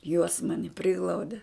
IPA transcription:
juɔs ˈmɑːnʲɪ ˈpʲrʲɪɡlˠɐʊdʲɛ

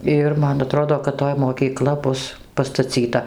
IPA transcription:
ˈɪr ˈmɐn ɐˈtroːdoː kɐt ˈtoːj moːˈkʲiːklˠɐ ˈbʊs pɐstɐˈt͡sʲiːtɐ

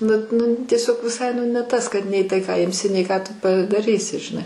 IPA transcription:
nʊ ˈnʊ tʲiɛˈsʲoːk ʋʲɪˈsɐɪ nʊ nʲɛ ˈtɐs kɐt nʲɛɪ ˈtɐɪ kɑː ˈɪmʲsʲɪ nʲɛɪ ˈkɑː ˈtʊ pɐdɐˈrʲiːsʲɪ ʒʲɪˈnɐɪ

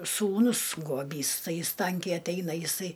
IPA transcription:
suːˈnʊs ɡuɔˈbʲiːs ˈtɐɪ ˈjɪs ˈtɐŋʲkʲɛɪ ɐtʲˈɛɪnɐ jɪˈsɐɪ

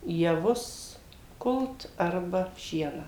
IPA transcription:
jɛˈʋʊs ˈkʊlˠt ˈɐrbɐ ˈʃʲiɛnɑː

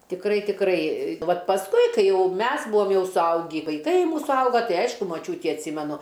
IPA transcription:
tʲɪkˈrɐɪ tʲɪkˈrɐɪ ˈʋɐt pɐsˈkʊɪ ˈkɐɪ ˈjɛʊ ˈmʲɛs ˈbuɔm ˈjɛʊ sʊˈɐʊɡʲiː ʋɐɪˈkɐɪ ˈmuːsʊ ˈɐʊɡɐ ˈtɐɪ ˈɐɪʃkʊ mɐˈt͡ʃʲuːtʲiː ɐtʲˈsʲiːmʲɛnʊ

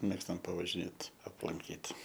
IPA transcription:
ˈmʲeːkstɐm pɐʋɐʒʲɪˈnʲeːt ɐplˠɐŋʲˈkʲiːt

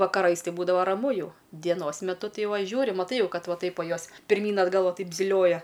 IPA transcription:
ʋɐkɐˈrɐɪs ˈtɐɪ ˈbuːdɐʋɐ ˈrɑːmʊ ˈjɛʊ dʲiɛˈnoːs mʲɛˈtʊ ˈtɐɪ ˈʋɐ ˈʒʲuːrʲɪ mɐˈtɐɪ ˈjɛʊ ˈkɐt ˈʋɐ ˈtɐɪp ˈʋɐ ˈjoːs pʲɪrʲˈmʲiːn ɐdˈɡɐlˠ ˈʋɐ ˈtɐɪp zʲɪˈlʲoːjɛ

